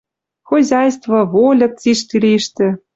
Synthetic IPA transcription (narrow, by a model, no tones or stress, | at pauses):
xozʲɑjst̪vɤ̆volʲɤ̆k̚t͡siʃt̪ʲilʲeʃt̪ɘ̆